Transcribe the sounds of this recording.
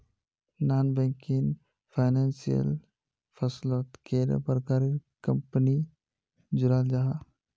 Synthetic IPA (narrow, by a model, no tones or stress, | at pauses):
naːnbɛ̃ŋkɪn | pʰaɪnaːnsijə̰l | pʰəsloːt̪keɾə̰pɾkaːɾikəmpəni | d͡ʒʊɾaːld͡ʒaɦa